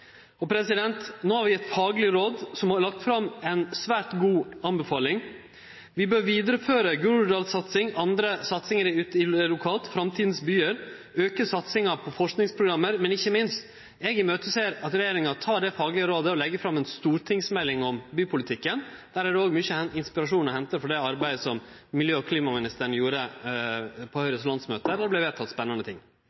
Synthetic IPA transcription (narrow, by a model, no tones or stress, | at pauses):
ɔpʰɾɛsɪd̪ɛnt̪noːhɑɾʋɪɛt̪fɑːɡlɪɾoːd̪sɔmhɑɾɭɑk̚t̪fɾɑmːɛnsʋæːɾʈɡuːɑnbɛfɑːlɪŋ | ʋɪbøːɾʋiːd̪əɾəføːɾəɡʉɾɖ̪ɑlsɑt̪sɪŋɑnd̪ɾəsɑt̪sɪŋəɾɪʉːt̪ɪlʊkʰɑːt̪fɾɑmt̪ʰiːd̪n̩sbyːəɾ | øːkəsɑt̪sɪŋɑpʰɔfɔʂknɪŋspʰɾʊɡɾɑmːəɾmɛnɪçːəmɪnst̪ | ɛːɡɪmøːt̪əseːɾɑt̪ɾɛjeːɾɪŋɑt̪ʰɑːɖɛfɑːɡlɪəɾoːd̪əɔlɛɡːəfɾɑmːɛnst̪uːɾʈʰɪŋsmɛlːɪŋɔmbyːpʰʊlɪt̪ʰɪkːənd̪̥æːɾæɖɛoːɡmyçəɪnspɪɾɑʂuːnɔhɛnt̪əɾfɔɖɛɑɾbæɪd̪əsɔm | mɪljøːɔkʰliːmɑmɪnɪst̪əɳ̩juːɾə | pʰɔhœʏɾəslɑnt̪smøːt̪əd̪æblæɪʋeːt̪ʰɑt̪spɛnːɑnət̪ʰɪ̰ŋː